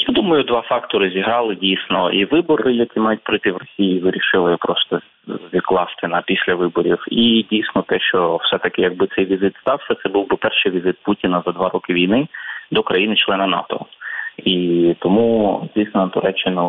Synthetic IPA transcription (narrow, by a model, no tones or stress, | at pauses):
jad̪umɐjʊd̪ʋɑfɑkt̪ɔɾɪzʲiɦɾɑlˠɪdʲijsʲnɔiʋɪbɔrːɪjɐkʲimɑjʊt̚ʲpɾɪt̪ɪwrɔsʲijiiʋɪɾʲiʃɪlˠɔjpɾɔst̪ɔ | ʋʲid̪klˠɑst̪ɪnɐpʲisʲlʲɐʋɪbɔɾʲiwidʲijsʲnɔt̪ɛʃt͡ʃɔwsɛt̪ɐkɪjɐɡ̚bɪt̪sɛjʋʲizɪt̪st̪ɑwsʲɐt̪sɛbuwbɪpɛrʃɪjʋʲizɪt̪̚putʲinɐzɐd̪ʋɑɾɔkɪʋʲijnɪd̪ɔkɾɐjinɪt͡ʃlˠɛnɐnɑ̰t̪ɔ̰it̪ɔmuzʲdʲijsnɐt̪ʊɾɛt͡ʃːɪnʊ